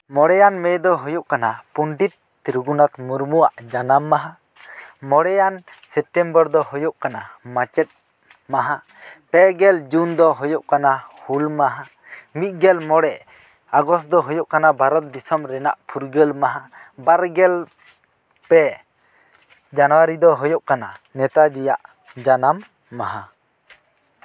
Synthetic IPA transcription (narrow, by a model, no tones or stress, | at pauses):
mɔɽɛjanmɛjd̪ɔɦujuʔkanapuɳɖit̪̚ː | ɾuɡunat̪muɾmuwaʔd͡ʒanamːaɦa | mɔɽɛjan | sɛp̚ʈɛmbɔɾd̪ɔhujɔʔkanamat͡ʃɛt̪̚ | maɦa | pɛɡɛld͡ʒund̪ɔɦɔjɔʔkanahulmaɦa | mit̪̚ɡɛlmɔɽɛʔ | aɡɔstd̪ɔɦɔjɔʔkanabʱaɾɔt̪̚d̪isɔmɾɛna̰ʔpʰuɾɡəlmaɦabaɾɡɛl | pɛ | d͡ʒanɔwaɾid̪ɔɦɔjɔʔkananɛt̪ad͡ʒija̰ʔ | d͡ʒanamː | aɦa